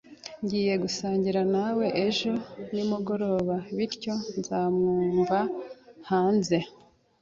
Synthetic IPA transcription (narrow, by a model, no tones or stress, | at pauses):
ɲɟiːje̞ɡusaːɲɟiɾanawe̞ʔeʒo̞nimuɡo̞ɾo̞ːβaβiɾco̞nzaːmŋuːɱvahaːnze̞